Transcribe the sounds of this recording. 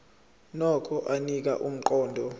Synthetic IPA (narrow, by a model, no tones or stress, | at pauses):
nɔkʰɔʔanik̬a̰ʔum̩ǃɔːndʱɔ